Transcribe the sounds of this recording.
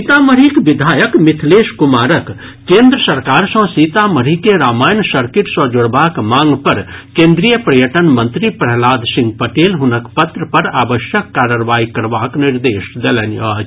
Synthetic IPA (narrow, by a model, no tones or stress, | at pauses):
it̪aməɾikbid̪ʱaːjəkmit̪ʰleʃkumaːɾək | kẽːnd̪ɾəsəɾkaːɾsə̃sit̪aməɾ̤ikeɾaːmaːjnsəɾkiʈsə̃d͡ʒoɽbaːkmãːŋɡpəɾkẽːnd̪ɾijəpɾəjəʈənmə̃nt̪ɾipɾəɦlaːd̪sĩŋɡ̚pəʈeːlɦunəkpət̪ɾəpəɾaːbəʃjəkːaɾəɾʋaːikəɾbaːkniɾd̪eːsd̪elɛnjə